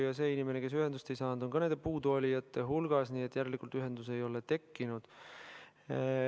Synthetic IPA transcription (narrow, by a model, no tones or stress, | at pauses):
jɑse̞ːinime̞ne̞ke̞s̬yɦend̪ust̪e̞jsɑːnd̪̥o̞ŋkɑnend̪e̞puːd̪uolʲijɑt̪ːˑe̞ɦulɡ̥ɑsniːet̪ːˑjæɾe̞likˑult̪yɦe̞nd̪̥us̬e̞jo̞let̪e̞kːinud̪̥